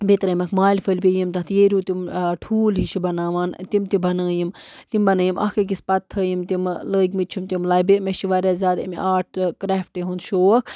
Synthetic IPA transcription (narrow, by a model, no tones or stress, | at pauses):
bet̪ɾɐmɐkʰmaːlʲfʰəlʲpʲejimt̪ɐt̪ʰjeːɾʲjuːt̪imʈʰuːlɦiʃʰibɐnaːʋaːnt̪imt̪ibɐnaːjimt̪imbɐnɐːjimʔɐ̰kɐk̬ispɐt̪ʰːɐːjimt̪imləːɡmit̪t͡ʃʰumt̪imlɐbemeʃiʋaɾʲaːzʲaːd̪ḭmaːʈ̚ʰkɾɛːfʈeɦund̪ʃoːɐkʰ